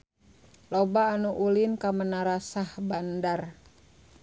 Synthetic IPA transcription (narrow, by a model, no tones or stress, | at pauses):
lɔbaːnuʔulinkamənaɾasahbandar